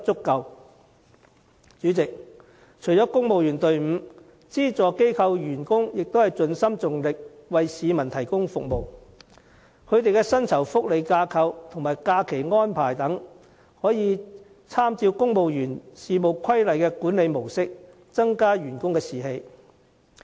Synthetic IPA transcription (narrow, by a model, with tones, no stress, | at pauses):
t͡sʊ˥kːɐ˨˧w | t͡ʃyː˨˥t͡sɪ˨k̚ | t͡ʃʰɵ˨˩jt͡sɔː˨˥kʊ˥ŋmo˨wjyː˨˩nt̪ɵ˧ɥm̩˨˧ | t͡siː˥t͡sɔː˨ke˥jkʰɐ˧wjyː˨˩nkʊ˥ŋjɪ˨k̚t̪o˥whɐ˨jt͡sɵ˧nsɐ˥mt͡sʊ˨ŋlɪ˨k̚wɐ˨jsiː˨˧mɐ˨˩nt̪ʰɐ˨˩jkʊ˥ŋfʊ˨k̚mo˨˧w | kʰɵ˨˧ɥt̪e˨jkɛː˧sɐ˥nt͡sʰɐ˨˩wfʊ˥k̚le˨˧jkaː˧kʰɐ˧wt̪ʰʊ˨˩ŋmaː˨˩jkaː˧kʰe˨˩jŋɔː˥npʰaː˨˩jt̪ɐ˨˥ŋ | hɔː˨˥jiː˨˧ | t͡sʰaː˥mt͡siː˧wkʊ˥ŋmo˨wjyː˨˩nsiː˨˧mo˨wkʰɐ˥jlɐ˨jkɛː˧kuː˨˥nle˨˧jmo˨˩wsɪ˥k̚ | t͡sɐ˥ŋkaː˥ɥyː˨˩nkʊ˥ŋkɛː˧siː˨˩ɦe˧j